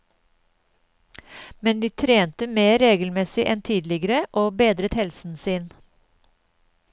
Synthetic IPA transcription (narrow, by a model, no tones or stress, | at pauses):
mɛnd̪iːt̪ʰɾeːnt̪əmeːɾeːɡl̩mɛsɪʔɛnt̪ʰiːd̪lɪɡəɾəʔoːbeːd̪ɾət̪hɛlsn̩sɪn